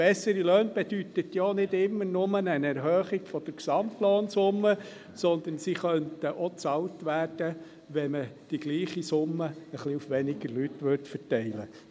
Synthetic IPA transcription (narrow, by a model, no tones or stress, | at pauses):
b̥ɛsəɾiløːnb̥ɛd̥yt̪ət̪jonɪdɪmːənʊmənənɛɾɦœːχɪɡ̥fɔd̥̪əɾksɑmtloːnsʊmːə | sɔnd̪ənsiχœntəʔɔt͡sɑltʋæːrd̥ə | ʋɛməd̥iɡ̥liːχisʊmːəəχliufʋɛnɪɡəɾlytʋʏɾtfəɾtɛɪlə̰